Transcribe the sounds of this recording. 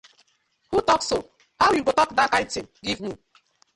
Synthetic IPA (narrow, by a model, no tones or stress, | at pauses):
hutɔkso | hawjuɡotɔkdakãɪ̃ntĩmɡivmi